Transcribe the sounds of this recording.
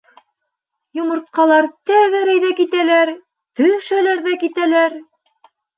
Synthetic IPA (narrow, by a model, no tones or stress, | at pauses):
jŏmɤ̆ɾt̪̚qɑlˠɑɾt̪æɣæɾæjðækit̪ælæɾ | t̪ɵjʃælæɾðækit̪ælæɾ